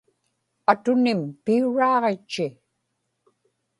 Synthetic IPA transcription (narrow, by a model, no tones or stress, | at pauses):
at̪ʊnɪmpiuɻɑːʁet͡ʃːɪ